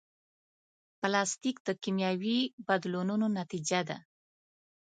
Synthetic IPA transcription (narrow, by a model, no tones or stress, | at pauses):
plɑst̪ikd̪əkimjɑwibad̪lonunonat̪id͡ʒad̪a̰